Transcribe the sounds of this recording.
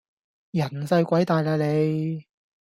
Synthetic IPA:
jɐ˨˩nsɐ˧jkʷɐ˨˥jt̪aː˨jla˨jle˨˧j

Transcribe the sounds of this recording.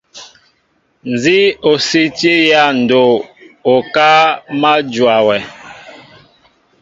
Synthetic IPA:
n˨zi˦o˨si˦ti˦ja˦˨n̩˨do˨o˨ka˦ma˦d͡ʒwa˨wɛ˨

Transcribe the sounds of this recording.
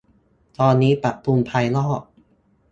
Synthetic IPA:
t̪ɔː˧nːiː˦˥pa˨˩k̚p̪u˧mpʰa˧jlɔː˥˩k̚

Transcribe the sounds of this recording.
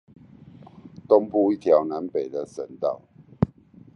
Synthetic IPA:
t̪o˦˥ŋpu˥˧i˥˨t̪ʰjɑ˨˦ʊna˨˦npe˨˩ɪd̪ə˨sə˨˦nt̪ɑ˥˨ʊ

